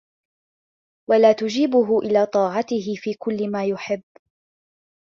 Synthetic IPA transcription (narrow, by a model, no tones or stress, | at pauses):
walaːt̪ʊd͡ʒiːbʊɦʊʔɪlaːt̪ˤɑːʕɑt̪ɪɦɪfiːkʊlːɪmaːjʊħɪbː